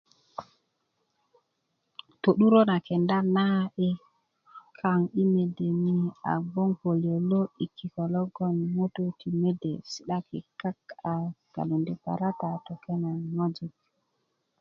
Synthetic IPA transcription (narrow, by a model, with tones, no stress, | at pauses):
to˨ɗu˦ɾo˦na˨kʰɛ˨nda˦na˦e˦ | kʰa˨ŋi˦me˨de˨ni˦a̰˨ɡ͡bo˦ŋko˨le˨lo˦i˨kʰi˨kɔ˨lɔ˦ɡɔ˦nmo˦to˦ti˨me˦dḛ˨si̥˦ɗa˦kḭ˨ka˦ka˨ɡ̥a̰˨lu˨ndi˨pa̰˨ɾa˦ta˨tɔ˨ke˦na˨no˦d͡ʒu˨k